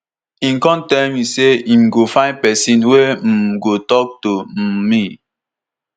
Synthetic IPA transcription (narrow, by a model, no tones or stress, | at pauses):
ĩmkɔ̃ntɛlmiseĩmɡofãn̚pɛsĩnwem̩ɡotɔk̚tomi